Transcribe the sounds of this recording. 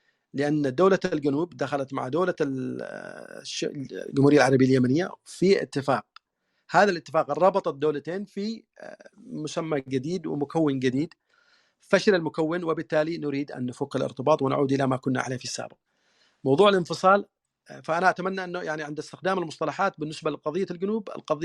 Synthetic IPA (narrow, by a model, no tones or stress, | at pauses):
lɪʔanːd̪oːlalɡanuːbd̪axalat̪ma̰ʕd̪oːla | ʃɡʊmhuɾɪjːalʕɑɾˤɑbɪjaljamanɪjːafiʔɪ̰t̪ːɪfaːq̚ | haːðalʔɪt̪ːɪfaːqrˤɑbɑt̪ˤɑd̪ːoːlat̪eːnfi | mʊsamːaɡɪd̪iːd̪wɪ̰mʊkawːɪnɡɪd̪iːd̪ | faʃlɪlmʊkawːɪnwɪbɪt̪ːaːlinʊɾiːd̪ʔa̰nːʊfuqɪlʔɪ̰ɾt̪ɨbɑːt̪ˤwɪn̰ʕuːd̪ʔɪlamakʊnːa̰ʕa̰leːfisːa̰ːbɪq̚ | mɑwðˤuːʕɪlɪnfɨsˤɑːl | faʔanaʔat̪amanːaʔɪnːʊjaʕniʕɪnd̪ɪst̪ɪxd̪aːmɪlmʊsˤt̪ˤɑlɑħaːt̪̚bɪnːɪsbalɪqɑðˤɨjːalɡʊnuːbɪ̰lqɑðɪ